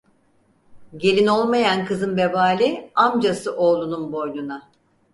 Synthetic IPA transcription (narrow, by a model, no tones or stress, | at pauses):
ɟe̞lʲino̞lˠmajankʰɯzɯnbe̞baːlʲiamd͡ʒasɯʔo̞ːlˠununbo̞jlʲˠuna